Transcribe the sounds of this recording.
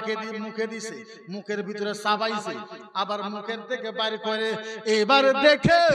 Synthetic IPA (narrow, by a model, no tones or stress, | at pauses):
kʰed̪imũkʰed̪ise | mũkʰeɾbʱit̪ɔɾesabajse | abaɾmũkʰeɾd̪ekʰebaɾikɔɾeebaɾed̪ekʰe